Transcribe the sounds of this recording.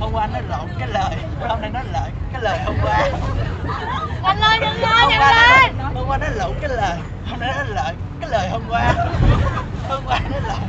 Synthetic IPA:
ɓə˧kwaː˧nɔ˨˦˥lə̰˧˨wkaː˨˦jləː˨˩jhə˧ŋ͡mna˧jnɔ˨˦ləː˨˩jkaː˨˦jləː˨˩jɦə˧wŋ͡mkwaː˧˦ | ləː˧˩jə˧˨waː˧ɔ˦ɓəː˧kwaː˧nɔ˨˦˥lə̰˧˨wkaː˨˦jləː˨˩j | hə˧ŋ͡mna˧jnnɔ˨˦lə̰ː˧˨j | kaː˨˦jləː˨˩jhə˧mkwaː˧ | ɓəː˧kwaː˧nɔ˨˦lə̰˨˩j

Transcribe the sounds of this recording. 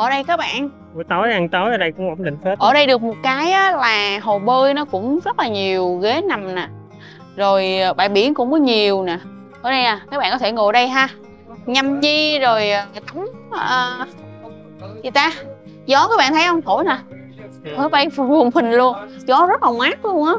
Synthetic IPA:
ʔəː˧˩ɗə˧jkaː˨˦˥k̚ɓa̰ː˧˨n | u˧˦t̪o˨˦jʔa˧ŋt̪o˨˦jʔəː˧ɗə˧jkʊ̰˧˥ŋ͡mʔo˧˩wŋ͡mɗï˧˨ŋ̟fʰe˦˥tʔəː˧˩ɗə˧jɗɨ˨˩ək̚mo˨˩t̚kaː˨˦jʔaː˨˦laː˨˩ɦo˨˩ɓəː˧jnɔ˨˦kʊ̰˧˥ŋ͡mzə˦˥t̚laː˨˩ɲi˨˩əwɣe˨˦na˨˩mnaː˨˩ | zo˨˩jɓa̰ː˧˨jɓḭ˧˩ənkʊ̰˧˥ŋ͡mkɔ˨˦ɲi˨˩əwnaː˨˩ | ʔəː˧˩ɗə˧jnaː˨˩kaː˨˦k̚ɓa̰ː˧˨kɔ˧˦e˧˩ŋo˧˨˩jɗə˧jɦaː˧ | ɲa˧˩mzi˧zo˨˩jt̪a˨˦wŋ͡məː˨˩ | zi˨˩t̪aː˧ | zɔ˨˦kaː˨˧˦ɓaː˧˨t̪ʰjhə˧ŋ͡mt̪ʰo˧˩jnaː˨˩ | hʰo˧˦jɓa˧jfu˨˩əŋfï˨˩ŋ̟lu˧ənzɔ˨˦zə˦˥t̚laː˨˩ŋwaː˦˥k̚lu˧əŋʔaː˨˦

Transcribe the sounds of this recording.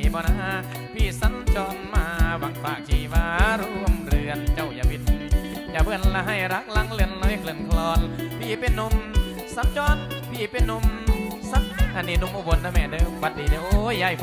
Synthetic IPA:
bɔː˧na˧˨ɦaː˧˥ | pʰiː˧˩sa˧˦nt͡ɕɔː˧nmaː˧˩wa˨˩ŋfaː˨˩k̚t͡ɕʰiː˧˩waː˧ɾu˧əmɾɯ˧ənt͡ɕa˧˩wjaː˧˨bi˧˩n˧ | jaː˧˩bɯ˧˩ənlaː˧ɦa˧˩jɾa˧˦k̚la˧˥ŋlɯ˧ənlɔː˧˦jkʰlɯ˨˧ənkʰlɔː˧npʰiː˧˩pe˧˩nːo˧˥m | sa˧˦mt͡ɕɔː˧˥npʰiː˧˩pe˧˨nːo˧m | sa˧˥n˧ha˧˩niː˧˩no˧˩˨mʔo˧˩bo˧˦nda˧˨mɛː˧˩dɯ˧wa˧t̪̚diː˨˩de˧˨ʔo˧jːa˧˩j

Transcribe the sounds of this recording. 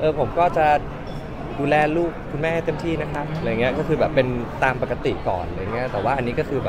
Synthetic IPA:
ʔɤː˧pʰo˩˦mkɔː˥˩t͡ɕa˨˩ | duː˧lɛː˧luː˥˩k̚ʰːu˧nmɛː˥˩˧a˥˩t̪e˥˩mt̪ʰiː˥˩na˦˥kʰɾa˦˥p̚ːjŋi˦˥ɐkɔː˥˩kʰɯː˧bɛː˨˩pːe˧nt̪aː˧mpa˨˩ka˧t̪ḭ˨˩kɔ̰ː˨˩na˧˩ja˨ŋː˦˥ɐt̪ɛː˨˩waː˥˩ʔa˧nːiː˦˥kɔː˥˩kʰɯː˧bɛː˨p̚

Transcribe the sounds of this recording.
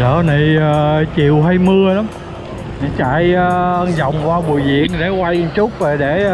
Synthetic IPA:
əː˧˨na˨˩jəː˨˩t͡ɕḭ˨əwɦa˧jmɨ˧əɗa˨˦m | ɲa˨˩t͡ɕa̰˧˨jə˧zə˨wŋ͡mkwaː˧ɓu˨˩əjzḭ˧˨ənɗe˧˩kwa˧jt͡ɕʊ˦˥k͡p̚ve˨˩ɗe˧˩

